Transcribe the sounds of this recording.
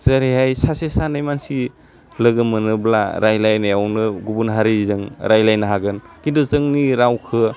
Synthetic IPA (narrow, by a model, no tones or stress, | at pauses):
zəɾeɦajsasesanajmansi | lɯɡɯmɯnɯblaɾajlajnajawnɯɡubunɦaɾizɯŋɾajlajnaɦaɡɯn | kinduzɯŋniɾawkʰɯ